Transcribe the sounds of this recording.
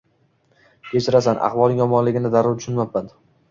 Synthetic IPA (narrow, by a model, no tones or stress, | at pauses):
kʲʰet͡ʃʰɪɾasanʔa̰χvɒlˠnɪŋjɒmɒnlɪɡʲɪnɪd̪aɾʊt̪ʊt͡ʃʊnmap̚ːan